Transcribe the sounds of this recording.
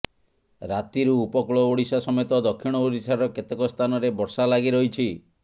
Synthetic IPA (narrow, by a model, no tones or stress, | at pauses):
ɾat̪iɾuːpɔkɭɔoɽisasɔmet̪ɔd̪ɔkʰːiɽ̃ɔoɾisaɾɔket̪ekɔst̪ʰanɔɾebɔɾsalaɡiɾɔɦit͡ʃʰi